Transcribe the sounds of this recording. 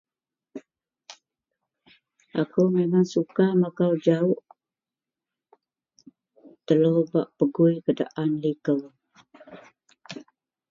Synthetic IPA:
ʔakumemaŋsukamakawd͡ʒaʊʔ | t̪əlubaʔpəɡʊikəda̰ʔanlikəw

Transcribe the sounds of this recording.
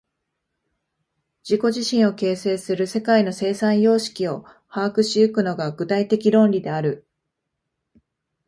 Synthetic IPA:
d͡ʑiko̞ʑiɕĩɰ̃o̞ke̞ːse̞ːsɨɾɯ̟se̞kaino̞se̞ːsãɰ̃jo̞ːɕi̥kʲio̞ | haːkɯ̟ɕiɯ̟kɯ̟no̞ɡaɡɯ̟t̪ait̪e̞kʲiɾõ̞nɾʲid̪e̞aɾɯ̟

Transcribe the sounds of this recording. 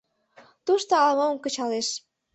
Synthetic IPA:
t̪uʃt̪oɑlmomkə̆t͡ɕɑleʃ

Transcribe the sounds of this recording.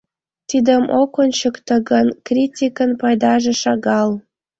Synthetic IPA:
t̪id̪ə̆mokont͡ɕəkt̪ɤ̆ɡənkrʲitʲikənpɑjd̪ɑʒĕʃɑɣɑl

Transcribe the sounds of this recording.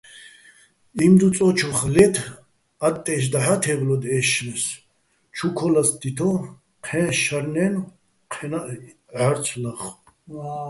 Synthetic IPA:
imd̪ut͡s̪ʼɔt͡ʃʰɔχlɛt̪ʰ | at̪ʼːɛʃ̬d̪aħat̪ʰɛvlɔd̪ɛːʃnɛs | t͡ʃʰukʰɔlasd̪it̪ʰɔ | qʰɛ̃ːʃaɾnɛn | qʰɛna | aɾt͡sʰlaχ

